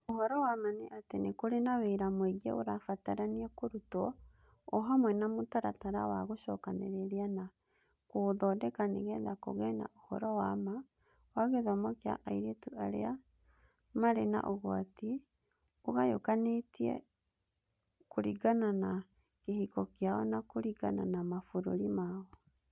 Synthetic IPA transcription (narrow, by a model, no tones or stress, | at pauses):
ohɔɾɔwamaneʔatenekoɾenaweɾamweɡɛ̰oɾafataɾaniakoɾutɔ | ɔɦamwɛnamotaɾataɾa̰waɣoʃɔkaneɾɛɾiana | koðɔdɛkaneɣɛðako̰ɣɛna̰ʔohɔɾɔwama | waɣeðɔmɔkea̰ʔaiɾetuʔaɾḛa | maɾena̰ʔoɣwati | oɣajokanetiɛ̰ | koɾiɣanana | kehikɔkeaɔnakoɾiɣa̰nanamafoɾoɾimaɔ